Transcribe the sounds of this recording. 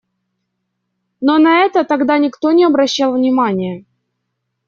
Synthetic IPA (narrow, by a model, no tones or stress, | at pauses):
nonɐɛt̪ət̪ɐɡd̪anʲɪkt̪onʲɪɐbɾɐɕːalˠvnʲɪmanʲɪjə